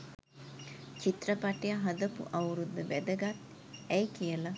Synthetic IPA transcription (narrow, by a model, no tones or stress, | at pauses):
t͡ʃit̪rəpaʈejaɦɐd̪əpṵʔɐwɾud̪ːəʋæd̪əɡat̪ | ɛjkijəla